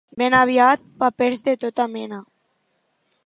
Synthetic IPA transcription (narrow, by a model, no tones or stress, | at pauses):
benaβiat̪̚papeɾzðet̪ot̪amɛna